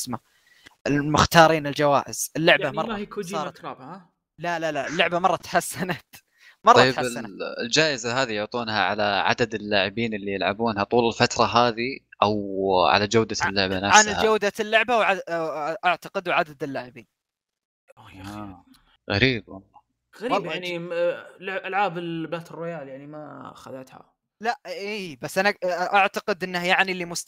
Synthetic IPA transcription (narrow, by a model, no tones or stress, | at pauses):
sma | ʔɪlmʊxt̪ɑːɾˤiːnɪld͡ʒawaːʔɪz̥ɪlːʊʕbamɑrˤɑkʊsˤɑːˤɑt̪ɾˤːb | lalalaʔɪlːʊʕbamɑrˤːɑt̪ħasːanat̪ | mɑrˤɑjːħaɪanaɪld͡ʒaːʔɪzaɦaːðijʊʕt̪ˤuːnhaʕa̰laʕa̰d̪ad̪ɪlːaːʕɪbiːnɪlːijɪlʕa̰buːnhat̪ˤuːlɪlfat̪ɾˤɑɦaːði | ʔawʕa̰lad͡ʒawd̪alːʊʕbanaʕfsnhad͡ʒawd̪alːʊʕbawʕaʔaʕt̪aqɪd̪ʕad̪ad̪ɪlːaːʕɪbiːn | ajaa | ɣa̰ɾiːb̚wɑlˤːɑː | ɣaɾɑljani | lʕʔalʕaːbɪlbaːt̪ɪrːɪjaːljaʕnimaxaðat̪ha̰ | laʔiːbasːʔanaʔaʕt̪aqɪd̪ʔɪnːahjaʕnilːimʊst̪